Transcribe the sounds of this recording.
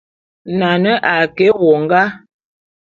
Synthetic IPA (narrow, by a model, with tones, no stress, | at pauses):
na˨nə˦ʔa˨kɛ˨˦wɔ˨ŋ˦ɡa˦